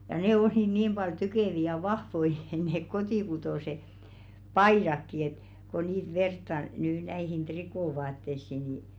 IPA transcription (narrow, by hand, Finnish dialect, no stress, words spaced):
jɑ neˑ oli niːm b̥ɑl ty̟keˑʋi jɑ ʋɑhʋoi neːk kotiˑkutoˑse pɑiˑrɑkːi et ko niːt ʋertːɑ nyː næihin trikoˑʋɑːtːesːi ni